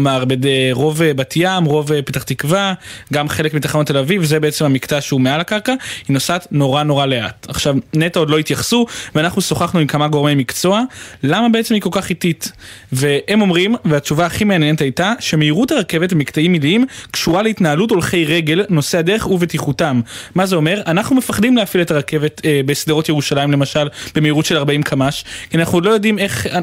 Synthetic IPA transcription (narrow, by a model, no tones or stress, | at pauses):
maʁbedeʁo̞vebatijamʁo̞vepetaχt̪ikvaɡamχe̞lekmit̪aχaonat̪e̞lavivzebeet͡semamikt͡saʃeumealakaʁkahino̞satno̞ʁano̞ʁalea̰taχʃavnetao̞dlo̞it̪jaχsuveanaχnuso̞χaχnuimkamaɡo̞ʁmejmikt͡so̞alamabeet͡se̞mhiko̞lkaχititve̞emo̞mʁimveat͡ʃuvaːχimeanjenetajtaʃemeiʁutaʁakevetemiktaimːilimkʃuʁaleitnaaluto̞lχe̞jʁe̞ɡe̞lno̞seade̞ʁeχuvetiχutamːazeo̞me̞ʁʔanaχnumefaχdimleafiletaʁake̞ve̞tebe̞sd̪eʁo̞tjeʁuʃalaimlemaʃalb̥emeiʁutʃe̞laʁbaimkʰamaʃkianaχnudlo̞jo̞dime̞χ